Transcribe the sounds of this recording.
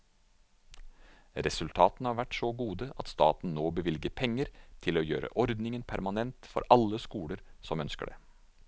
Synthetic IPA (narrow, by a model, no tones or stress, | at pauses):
ɾɛsʉlt̪ʰɑːt̪nhɑːɾʋæʈsoːɡuːd̪əʔɑt̪st̪ɑ̰ːt̪n̩noːbəʋɪlɡəpʰɛŋːəɾt̪ʰɪloːjø̰ːɾə̰ʔɔɾd̪nɪŋənpʰæɾmɑnɛnt̪fɔ̰ɾɑlːəskuːləɾsɔmœnskə̰ɖḛː